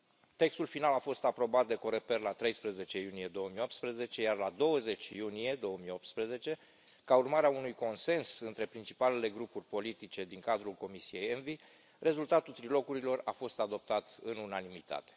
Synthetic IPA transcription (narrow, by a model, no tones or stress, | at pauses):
t̪e̞kst̪ulfinalafo̞st̪apɾo̞bat̪̚d̪e̞ko̞ɾepe̞rlat̪ɾe̞jspɾəze̞t͡ʃe̞junije̞d̪o̞wəmio̞p̚t̪spɾəze̞t͡ʃe̞jarlad̪o̞wəze̞t͡ʃʲjunije̞d̪o̞wəmijo̞pt̪spɾeze̞t͡ʃe̞ | kaurmaɾeaunujko̞nse̞nsɨnt̪ɾe̞pɾint͡ʃi̥pale̞le̞ɡɾupurʲpo̞lit̪it͡ʃe̞d̪iŋkad̪ɾulko̞misije̞jenvi | re̞zult̪at̪ult̪ɾilo̞kuɾilo̞rafo̞st̪ad̪o̞p̚t̪at̪ɨnunanimit̪a̰t̪e̥